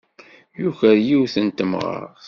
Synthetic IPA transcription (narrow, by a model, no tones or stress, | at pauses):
juçəɾjiwθənt̪əmʁə̰ɾ